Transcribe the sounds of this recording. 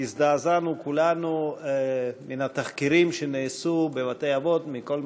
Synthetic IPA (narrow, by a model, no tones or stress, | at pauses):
izd̪aːzanukulanu | minat̪aχkiɾimʃeneːsubevat̪ejavo̞t̪miko̞l